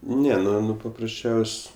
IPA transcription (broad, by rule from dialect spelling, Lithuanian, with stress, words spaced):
ˈnʲɛ ˈnʊ ˈnʊ pɐprɐsʲˈt͡ʃʲɛʊsʲ